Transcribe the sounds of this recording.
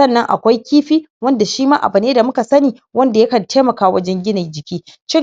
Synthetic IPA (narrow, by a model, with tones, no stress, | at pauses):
ɐ˦˨nːɐ˦ŋʔa̰˨kʷa˦jkʲiː˦ɸiː˦wɐ˦nda˨ʃiː˦maː˦ʔa̰˨bʊ˨neː˦da˨mʊ˦ka˨sɐ˦niː˨ | wɐ˦nda˨jɐ˦kɐ˨nteː˦mɐ˨kaː˦wɐ˦d͡ʒɛ˦ŋɡʲɪ˦na˨d͡ʒɪ˨kʲiː˦ʃɪ˦